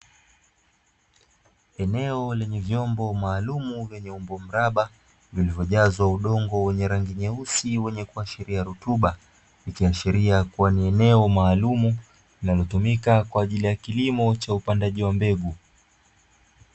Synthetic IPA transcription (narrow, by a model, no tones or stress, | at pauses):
ɛnɛɔlɛɲɛvjɔmbɔmaːlumuvjɛɲɛumbɔm̩ɾaɓa | vilivjɔʄazwauɗɔŋɡɔwɛɲɛɾaŋɡiɲɛusiwɛɲɛkuaʃiɾiaɾutuɓa | ikiaʃiɾiakuwaniɛnɛɔmaːlumu | linalɔtumikakwaːʄilijakilimɔt͡ʃaupandaʄiwambɛɡu